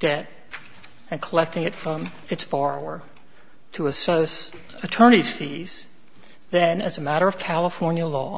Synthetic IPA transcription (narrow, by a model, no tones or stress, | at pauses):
d̥ɛɾ | ɨ̃nkʰəlɛk̚tɪ̃ŋɨtfɹʌ̃m | ɨtsb̥ɑɹoʊə˞ | ɾəɨsos | ɨtʰɜ˞ɾ̃niz̥fiz̥ | ðɨ̃nɨzɨmæɾə˞ʌv̥kʰælˠəfɔɹnjɨlɔ̰